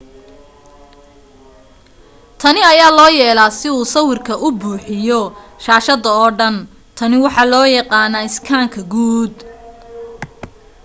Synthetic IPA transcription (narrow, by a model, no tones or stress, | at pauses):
t̪ʰɐnɪɐjaːlɔːjɛːlaːsɪuːsɐwɪrkʰɐʔʊbuːħɪjɔʃaːʃɐðɐɔːɖɐn | t̪ʰɐnɪwɑħɑːlɔːjɑqɑːnaːɪskʰaːŋkʰɐɡuːd̪